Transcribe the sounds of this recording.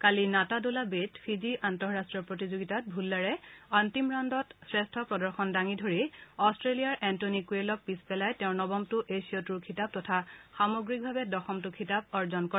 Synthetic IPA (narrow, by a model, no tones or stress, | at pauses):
kalinatadolabetpʰiziʔantɔɹɹastɹɔpɹotizoɡitat̚bʱulːaɹɛantimɹandɔtsɹestʰɔpɹɔdɔɹxɔndaŋidʱoɹiɔstɹelijaɹʔɛntonikuelɔk̚pispɛlajtɛʊ̃nɔbɔmtʊʔesijɔtuɹkʰitab̚tɔtʰaxamoɡɹik̚bʱabɛdɔxɔmtʊkʰitabɔɹzɔnkɔ